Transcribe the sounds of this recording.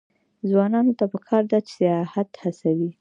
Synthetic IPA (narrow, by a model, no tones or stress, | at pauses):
zwɑnɑnot̪apəkʰɑɾd̪at͡ʃsijɑhat̪hasawi